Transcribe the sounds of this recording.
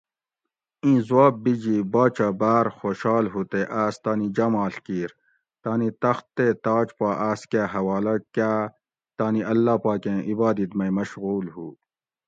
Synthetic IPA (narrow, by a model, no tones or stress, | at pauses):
ĩːzwaːb̚ːid͡ʑibaːt͡ʃabaːɾxoːʃaːlɦuːt̪eʔaːst̪aːnid͡ʒɐmaːɬkiːɾ | t̪aːnit̪ɐxt̪ːet̪aːt͡ʃpaːʔaːskaːɦɐwaːlɐkaː | t̪aːniɐlːaːpaːkẽʔibaːd̪it̪mɐimɐʃɣuːlɦuː